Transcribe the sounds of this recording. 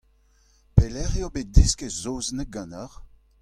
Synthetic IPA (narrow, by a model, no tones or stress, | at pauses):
pelɛʁjobet̚diskezoːznək̚ɡɑ̃naʁ